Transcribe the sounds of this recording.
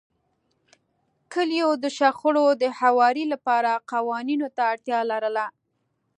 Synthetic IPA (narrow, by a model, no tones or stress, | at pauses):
kəljod̪əʃaxʊɽod̪əhawɑɾilapɑɾaqɑwɑninot̪aːɽt̪jɑlaɾəla